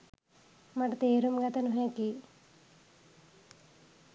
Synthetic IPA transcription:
mɐʈɐt̪eːɾumɡɐt̪ɐnuɦeki

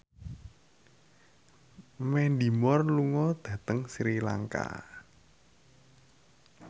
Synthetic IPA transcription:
mɛnd̪i̤mɔrluŋɔd̪̥ä̤t̪əŋsiɾila̰ŋka̰

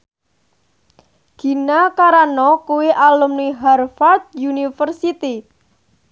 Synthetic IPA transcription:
ɡ̥i̤nakaɾanɔkuwiʔalʊmniɦarfard̪̚junifərsit̪i

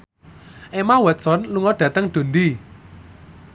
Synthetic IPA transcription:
ʔemawɛt̪sɔnluŋɔɖ̥ä̤t̪əŋɖ̪̥o̤nd̪i

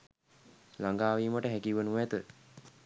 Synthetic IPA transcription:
laŋɡaːʋiːməʈəɦækiʋənuɛt̪ə

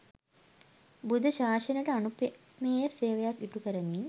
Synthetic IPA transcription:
bud̪ʱɐɕaːʂɐnɐʈɐɐnupe | meːjɐseːʋɐjakiʈukɐɾɐni

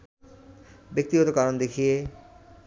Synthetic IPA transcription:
bek̚t̪iɦɔt̪okaɾond̪ekʰije

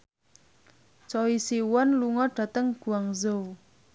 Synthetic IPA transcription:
t͡ʃɔwisiwɔnluŋɔɖ̥ä̤t̪əŋɡ̥ṳaŋzow

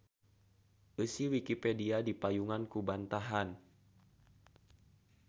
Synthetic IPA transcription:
ʔəsiwikipediadipajuŋankubant̪aɦan

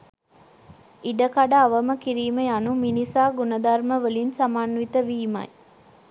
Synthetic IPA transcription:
iɖəkaɖaːʋəməkiɾiːmejanuminisaːɡunəd̪ɐrməʋəlinsamaːnʋit̪əʋiːmɐ̰j

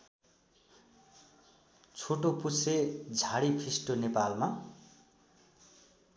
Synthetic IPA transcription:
t͡sʰoʈopused͡zʱaɽipʰisʈonepalma

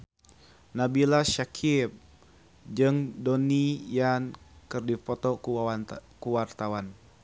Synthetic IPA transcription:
nabilaʃakʰip̚ | d͡ʒɨŋdonijankɨrdipot̪ɔk | kuwart̪awan

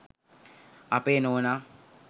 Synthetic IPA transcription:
apenona

